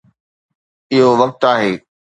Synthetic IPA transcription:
ɪɦoʋɐk̚t̪aːɦeː

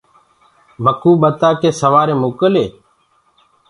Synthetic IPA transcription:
ʋəkuːɓət̪aːkeːsəʋaːɾeːmoːkəleː

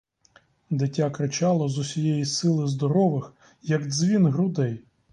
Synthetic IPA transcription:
d̪ɪtʲːakɾɪt͡ʃɑlˠɔzʊsʲijɛjisɪlˠɪzd̪ɔɾɔʋɪx | jɐɡzʲʋʲinɦɾʊd̪ɛj

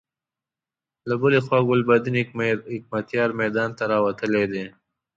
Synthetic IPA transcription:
labʊlexwaːɡʊlbad̪inɦɪk̚mat̪jɑːɾmɛd̪ɑːnt̪aɾɑːwɐt̪əled̪eː

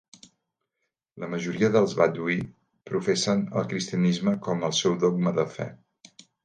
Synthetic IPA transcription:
ləməʒuɾiəðəlˠzβad̪ui | pɾufesənə̰lˠkɾist̪iənizməkɔməlˠsɛwdɔɡ̚məðəfɛ̰

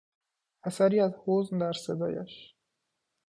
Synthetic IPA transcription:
æsæɾiːæzhoznd̪æɾsed̪ɒ̰ːja̰ʃ

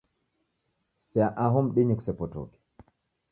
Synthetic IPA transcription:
sɛaʔaɦɔmɗiɲiku̥sɛpɔtɔ̰kɛ̥

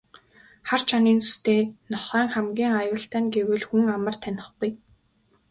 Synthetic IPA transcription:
χart͡ɕʰaniːnu̥st̪eːnɔχæːŋχæmɡʲiːŋajʊːɬt̪æːnɡewɘ̆ɮxuŋamə̆r̥t̪ʰænʲɪ̆χɡuj

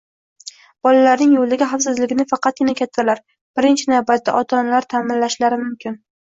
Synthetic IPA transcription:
b̥ɒlalaɾnɪŋjold̪aɡʲɪɦafsɪzlɪɡʲɪnɪfɑqʰɑt̪̚ɡʲɪnakʲʰat̪ʰːalaɾ | b̥ɪɾɪnt͡ʃʰɪnavbat̪ːa̰ʔɒt̪ʰɒnalaɾt̪ʰamɪnlaʃlaɾɪmʊmkʲʰɪn

